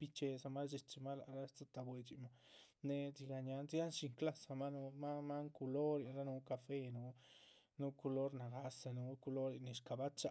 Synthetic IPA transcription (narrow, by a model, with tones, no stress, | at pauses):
pi˦t͡ʃe˧sa˧ma˦d͡ʒi˧t͡ʃi˧ma˦la˨ɾa˦t͡sa˦t̪a˧bwe˧t͡ʃi˨ma˧ne˧t͡si˧ɡa˧ɲa˧nt͡sa˦nʃi˧ŋkla˦sa˧ma˦nu˧ma˦ma˦ŋku˧lo˦ɾi˨nɾa˦nu˧˦ka˧fe˦nu˧˦ | nu˦ku˧lo˦ɾna˨ɡa˧sa˧nu˧˦ku˧lo˦ɾi˨ne˨ʃka˨ba˦t͡ʃa˧